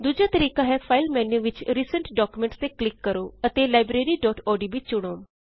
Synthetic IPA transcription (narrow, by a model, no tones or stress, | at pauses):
d̪ud͡ʒaːt̪əɾiːkãːɦɛːpʰaːilmɛ̃ːnũːʋɪt͡ʃɾiːsəɳʈɖɔːkumẽɳʈst̪eːklɪkːəɾoːət̪eːlaːɪbɾeːɾiːɖɔːʈɔːɖiːbit͡ʃt͡ʃʊɽ̃aːn